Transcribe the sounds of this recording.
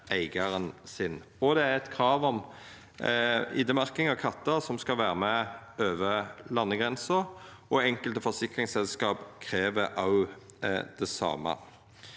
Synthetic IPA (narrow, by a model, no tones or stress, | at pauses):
ʔæɪɡəʁənsɪn | ɔd̪ɛæɾɛt̪kʰɾɑːʋɔm | ɪ̰ːd̪əmɑʁkɪŋɑʋkʰɑt̪ːəsɔmskɑʋæːɾəmɛ | øːʋəlɑnːəɡʁɛnsəɾɔɛŋkəlt̪əfɔsɪkʁɪŋsɛlskɑːpkʰɾeːʋəʔɑʊ | d̪̥ɛsɑ̰ːmə̰